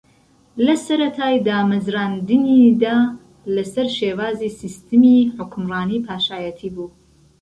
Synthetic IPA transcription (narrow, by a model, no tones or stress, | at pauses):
lɐsɐɾɐt̪ʰaːjd̪aːmɐzɾaːnd̪ɨnid̪aː | lɐsɐɾʃeːwaːziːsist̪ʰɨmiːħʊkʰmrɑːniːpʰaːʃaːjət̪ʰiːbuː